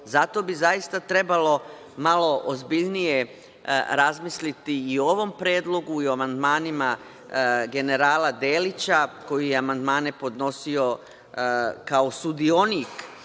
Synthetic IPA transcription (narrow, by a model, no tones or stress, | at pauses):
zat̪o̞bizajist̪at̪ɾe̞balo̞ | malˠo̞ʔozbiʎnije̞ | ɾazmislit̪iːo̞ʋo̞mpɾeːd̪lˠo̞ɡuiamand̪maːnima | ɡe̞ne̞ɾaːlad̪e̞ːlit͡ɕako̞jijeamand̪maːne̞po̞d̪no̞sio̞ | kaosud̪io̞nik